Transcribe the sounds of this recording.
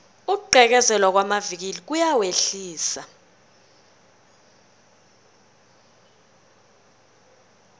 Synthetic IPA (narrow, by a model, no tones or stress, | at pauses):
uǃʱɛk̬ɛzɛlwak̬wamavik̬ilik̬ujaweɬiːsa